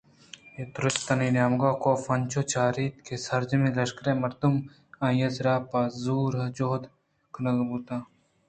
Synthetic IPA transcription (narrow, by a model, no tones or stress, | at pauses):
et̪ɾʊst̪ɐniːnaːmɡaːkoːfɐnʲt͡ʃoːt͡ʃaːɾiːt̪kesɐɾd͡ʒmĩlɐʃkɾemɐɾd̪um | ãːjɐzɾaːpaːzuːɾɐd͡ʒoːd̪ | kʰnɐɡbut̪ãː